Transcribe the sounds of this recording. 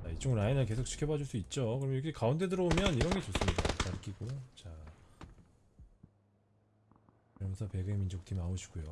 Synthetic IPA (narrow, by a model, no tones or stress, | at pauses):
ait͡ɕ͈ʰoŋɾainɯɭke̞sʰok̚t͡ɕʰi̥kʰjʌbad͡ʑuɭs͈uit̚t͡ɕ͈okɯɾʌmjʌjʌkʰekaundʰe̞dɯɾʌbomjʌniɾʌnɡe̞t͡ɕos͈ɯmɲida̰t͡ɕaɾɯk͈ʰiɡot͡ɕa | ɯɾʌmjʌnsʰʌpe̞ɡɯimind͡ʑok̚tʰimaoɕʰi̥ɡujo